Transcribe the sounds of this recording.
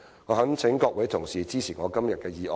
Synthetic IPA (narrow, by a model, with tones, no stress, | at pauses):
ŋɔː˨˧ɦɐ˨˥ŋt͡sʰɪ˨˥ŋkɔː˧k̚wɐ˨˥t̪ʰʊ˨˩ŋsiː˨t͡siː˥t͡sʰiː˨˩ŋɔː˨˧kɐ˥mjɐ˨t̚kɛː˧jiː˨˩ʔɔː˨